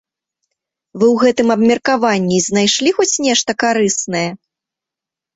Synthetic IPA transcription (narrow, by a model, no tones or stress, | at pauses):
vɨwɣɛt̪ɨmɐbmʲɐrkavanʲːiznajʂlʲixɔt͡sʲnʲɛʂt̪ɐkaɾɨsnɐjɐ